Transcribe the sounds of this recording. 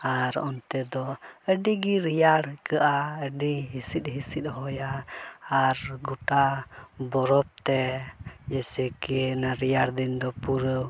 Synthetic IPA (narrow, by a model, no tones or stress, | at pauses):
aɾɔ̰nt̪ɛd̪ɔəɖiɡiɾijaɽkəʔaəɖiɦisit̪̚ɦisit̪̚ˀɦɔjaː | ɾɡuʈabɔɾɔp̚t̪ɛd͡ʒɛsɛkɛnaɾijaɽd̪ind̪ɔpuɾəw